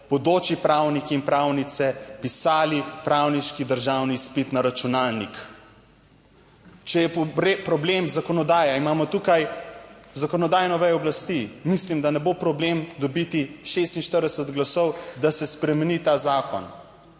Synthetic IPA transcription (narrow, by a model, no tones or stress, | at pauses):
bɔd̪oːt͡ʃipɾawnikiːnpɾawnit̪sɛpisaːlipɾawniʃkid̪əɾʒawnispit̪naɾat͡ʃunaːlnik | t͡ʃɛjɛɾpɾɔblemzakɔnɔd̪aːjaimaːmɔt̪ukaj | zakɔnɔd̪aːjnɔʋɛjɔblast̪imislimd̪anɛbopɾɔblemd̪ɔbit̪iʃest̪inʃt̪əɾd̪ɛsət̪ɡlasɔwd̪asɛspɾɛmɛnit̪aːzaːkɔ̰n